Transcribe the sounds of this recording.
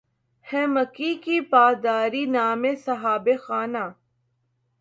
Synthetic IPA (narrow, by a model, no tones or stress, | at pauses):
hɛ̃ːməkikipaːd̪aːɾiːnaːmesɐɦaːbexaːnaː